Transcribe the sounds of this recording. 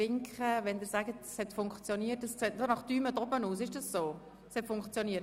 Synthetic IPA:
ɪŋkχəʋɛndɪːɾsæɡətshɛt̪fʊŋkt͡sjɔniːətəsɛdonɑχd̥̪yːmədɔbənuːs̬ɪʃd̥ɑssoː | shɛtfʊŋkt͡sjɔniət

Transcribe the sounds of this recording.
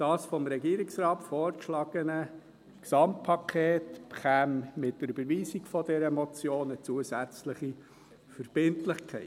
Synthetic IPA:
d̥ɑːsfɔmɾɛɡiːɾɪksɾɑːtfɔːɾkʃlɑɡ̥ənə | ksɑmt̚pʰɑkʰeːtpχæːmmɪt̚d̥əɾybəɾʋiːsiɡfɔdɛɾəmɔt͡sjoːnət͡suəzæt͡sləχi | fəɾb̥ɪntlɪχkʰɛ̰ɪ

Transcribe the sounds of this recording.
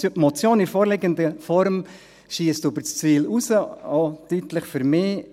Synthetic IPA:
ypmɔt͡sjoːnɪfoːɾleɡənd̪əfɔɾm | ʃiːəstybəɾt͡st͡sʋiːlusəot̪ytləχfyɾmeː

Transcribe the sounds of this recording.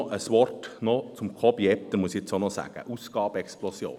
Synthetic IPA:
ʔəsʋɔrtnɔt͡sʊmkʰɔbjɛp̚t̪əmuəsiet͡sonɔsæ̰ːɡ̥ə̰ʔusɡ̥ɑːbɛksplɔsjo̰ː

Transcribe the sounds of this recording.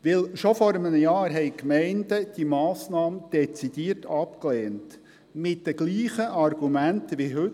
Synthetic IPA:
ʋɪlʃɔfɔɾəmənəjɑːɾɦɛɪkmɛɪndəd̥imɑːsnɑːmd̥ɛt͡sid̪iːəɾtʰɑpklɛːnt | mɪt̚dəɡ̥liːχəʔɑrɡ̥umæntʋiɦɵt

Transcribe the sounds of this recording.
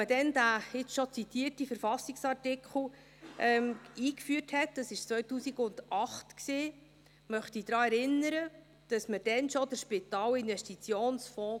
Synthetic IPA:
əd̥ɛndæɪt͡sʃɔt͡sit̪iərtifəɾfɑsɪksɑrtɪkχl̩ˠ | ʔɛːmiːkfyərthɛt̚d̥ɑsɪʃt͡sʋvœɥtuːsiɡʊndʔɑχtksiː | mœχtid̥ɾɑːɛɾɪnːəɾə | d̥ɑsməd̥ɛnʃɔdəɾʃpɪt̪ɑːlɪnvɛstit͡sjoːnsfɔ̃ː

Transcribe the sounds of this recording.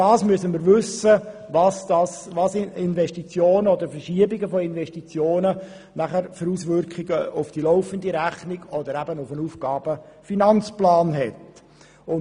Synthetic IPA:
ɑːsmyʉəsəməɾʋʏsəvɑsd̥̪ɑsʋɑːsɪnvɛʃtit͡sjoːnəɔd̪əɾfərʃiəbiɡəfɔɪnʋɛʃtit͡sjoːnə | næχəɾfəɾusʋʏrkχɪɡəʊfd̥ilɔʊfəndiɾæχniɡ̥ɔd̪əɾæbənʊfənufɡ̥ɑːb̥əfinɑnt͡splɑːnɦɛt | ʊn

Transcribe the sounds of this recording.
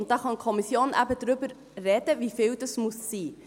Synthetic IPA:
nt̚d̥ɑːχɑnkʰɔmisjoːnʔæ̰bədɾʏbər | rɛdəviːfeːldəsmussiː

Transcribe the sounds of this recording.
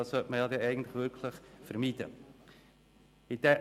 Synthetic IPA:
ɑssœltməjɑd̪ɛɛɪɡən̩t̪lɪχʋʏɾkʰləχfəɾmiːd̥̪ə̰ | ɪd̥̪ɛ

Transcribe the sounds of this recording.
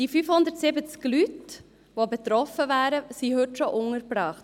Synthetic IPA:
d̥ifyfhʊnd̪ətsɪbət͡sklyt | ʋobɛt̪ɾɔfəvæːɾəsiɦɵtʃoʔʊŋəɾpɾɑːχt

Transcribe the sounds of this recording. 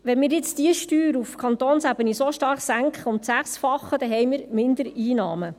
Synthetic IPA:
ʋɛnmɪːɾjɪt͡sd̥iəʃtyːɾufkʰɑnt̪oːnsæbənisoʃtɑrχsæŋkχəʊntsæχsfɑχːəd̥̪ɛɦɛjmɪːɾmɪnd̪əɾiːnɑːmə

